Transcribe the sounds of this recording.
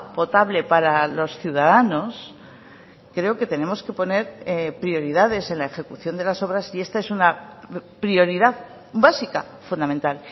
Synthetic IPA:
po̞t̪aβle̞paɾalo̞sθjuð̞aðano̞s | kɾe̞oke̞t̪e̞ne̞mo̞ske̞po̞ne̞ɾpɾio̞ɾiðað̞e̞se̞nlae̞xe̞kuθjo̞nd̪e̞laso̞β̞ɾasie̞st̪ae̞sunapɾio̞ɾiðað | basika̰ | fund̪amẽnt̪al

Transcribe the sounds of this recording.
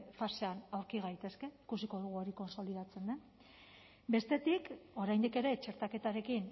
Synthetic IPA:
faseanawɾkiɣ̞ajt̪e̞ske̞ikusiko̞ɾɣ̞uoɾiko̞nso̞lið̞at͡se̞nd̪e̞n | be̞st̪e̞t̪iko̞ɾajnd̪ike̞ɾe̞t͡ʃe̞ɾt̪ake̞t̪aɾe̞kin

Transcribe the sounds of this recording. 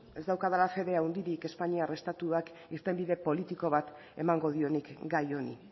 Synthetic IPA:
e̞zd̪awkaðalafe̞ðe̞aund̪iɾike̞spaɲiare̞st̪at̪uak | iɾt̪e̞mbiðe̞po̞lit̪iko̞βat̪ | e̞̰maŋɡo̞ðio̞nikɡajo̞nḭ

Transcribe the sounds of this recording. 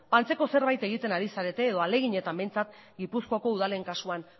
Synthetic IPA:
pant͡se̞ko̞se̞ɾβajt̪e̞ɣ̞it̪e̞naɾisaɾe̞t̪e̞ːðo̞ale̞ɣiɲe̞t̪ambe̞jnt͡sat̪ɡipuskoako̞uð̞ale̞ŋkasuan

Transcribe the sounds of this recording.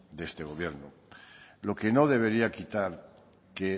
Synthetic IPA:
d̪est̪e̞ɣ̞o̞βje̞ɾno | lo̞keno̞ð̞e̞βe̞ɾiakit̪aɾ | ke

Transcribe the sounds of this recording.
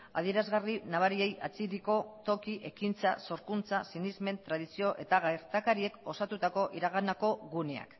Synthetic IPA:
a̰ð̞ie̞ɾazɣarinaβ̞aɾie̞jat͡siɾiko̞t̪o̞kiʔe̞kint͡sa̰so̞ɾkunt͡sasinizme̞nt̪ɾað̞isio̞ʔe̞t̪aɣajɾt̪akaɾie̞ko̞sat̪ut̪ako̞ʔiɾaɣ̞anako̞ɣune̞a̰k

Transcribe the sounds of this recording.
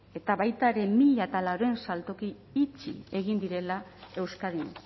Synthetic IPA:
e̞t̪aβajt̪aeɾe̞miʎat̪alawɾoe̞nsalt̪o̞kiː | t͡ʃḭe̞ɣind̪iɾe̞lae̞wskaðin

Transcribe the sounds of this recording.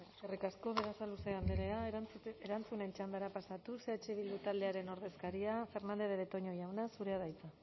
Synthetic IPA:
eskerikasko̞βe̞ɾasaluseand̪eɾeaeɾant͡sune̞nt͡ʃand̪aɾapasat̪use̞at͡ʃeβ̞ild̪ut̪ald̪e̞aɾe̞no̞ɾðe̞skaɾiafe̞ɾnand̪e̞βeβet̪o̞ɲo̞jawnasuɾe̞aðajt͡sa

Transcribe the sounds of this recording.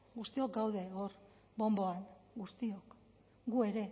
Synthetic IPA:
ɡust̪io̞k̚ɡawð̞e̞oɾ | bo̞mbo̞aŋɡust̪io̞k | ɡue̞ɾe̞

